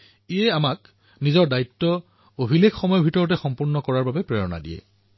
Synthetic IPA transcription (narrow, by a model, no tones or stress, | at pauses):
iɛamak | nizɔɹdaitːɔ | obʱilekxɔmɔjɔbʱitɔɹɔtɛxɔmpuɹnɔkɔɹaɹbabɛpɹɛɹɔna̰dḭjɛ̰